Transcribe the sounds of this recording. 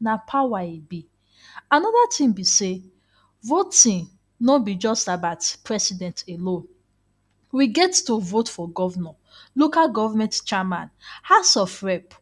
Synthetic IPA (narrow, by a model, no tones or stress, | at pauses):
napʰawaibi | anɔdatʰĩmbise | votĩn | nɔbid͡ʒɔstabatpʰɹɛsidɛ̃ntelõn | wiɡɛttovotfɔɡɔvnɔ | lokalɡɔvamɛ̃ntt͡ʃɛmãnhasɔfɹɛp